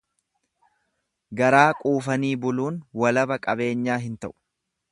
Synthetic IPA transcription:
ɡɐɾaːkʼuːfɐniːbʊluːnwɐlɐbɐkʼɐbe̞ːɲːaːɦɪnt̪ɐʔʊ̥

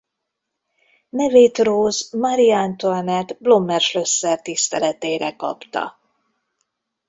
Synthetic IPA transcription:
nɛveːt̪roːzmɒɾiant̪ornɛt̪blo̞mːɛrʃlø̞sːɛrt̪ist̪ɛlɛt̪eːɾɛkɒ̰pt̪ɒ̰

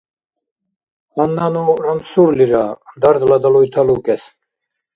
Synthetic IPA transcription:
anːanuɾamsuɾliɾad̪aɾd̪lad̪alujt̪ʰalukɛs

